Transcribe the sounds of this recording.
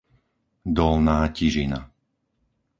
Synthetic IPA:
d̪ɔlnaːciʒina̰

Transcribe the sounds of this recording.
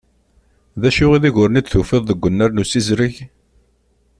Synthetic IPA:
ðæʃʊʁiðiʝʊɾnid̪θufɪðˤðəɡʷːənːæɾnusizɾəç

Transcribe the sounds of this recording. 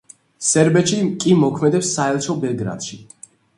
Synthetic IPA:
sɛɾbɛt̪ʃikʼimɔkʰmɛd̪ɛpsːaɛlˠt͡ʃʰɔbɛlˠɡɾa̰d̪̥ʃi

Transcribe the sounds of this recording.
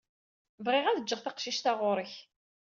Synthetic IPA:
vʁeʁæðəd͡ʒːəʁθaqʃiʃt̪aʁʊɾˤəç

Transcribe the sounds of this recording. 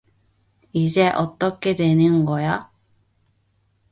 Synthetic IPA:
id͡ʑeʔot̪ːokːed̪enɯŋɡoja

